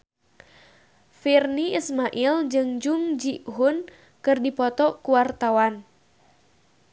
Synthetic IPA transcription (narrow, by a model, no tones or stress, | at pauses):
firniismaʔild͡ʒɨŋd͡ʒuŋd͡ʒiʔɦun | kɨrdipɔt̪ɔkuwart̪awan